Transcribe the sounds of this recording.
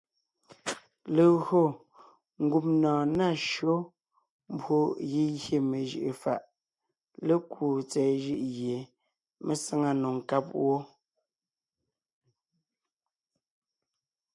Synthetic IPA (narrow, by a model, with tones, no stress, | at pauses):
le˨ɣɰo˦˨ | ŋ̩˨˦ɡu˦p̚nɔ̃ː˨na˦˨ʃo˦ | m˦bo˦ji˦jje˨me˨ʒɯ̰˨ʔe˨fa̰˨ʔ | le˦kwu˨t͡sɛː˨ʒi˦ʔɣje˨ | me˦sə˦ŋa˦no˨ŋ˨ka˦p̚wo˦